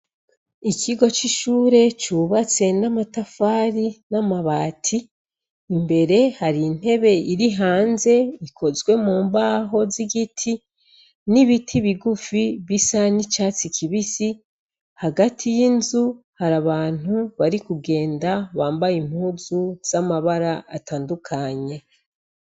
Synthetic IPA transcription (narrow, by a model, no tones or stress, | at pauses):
ikʰiɡo̞t͡ʃiʃuːɾe̞t͡ʃuβat͡se̞namatafaːɾinamaβaːtʰiː | mbe̞ɾe̞haɾiːn̥he̞βe̞ʔiɾiɦaːnze̞ikʰo̞zwe̞muːmbaːɦo̞ziɡitʰi | niβitʰiβiɡufiβisanit͡ʃaːt͡sikʰiβisi | haɡatʰijinzuhaɾaβaːn̥uβaɾikuɡe̞ːndaβaːmbajim̥huːzuz̥amaβaɾaːtaːndukʰaɲe̞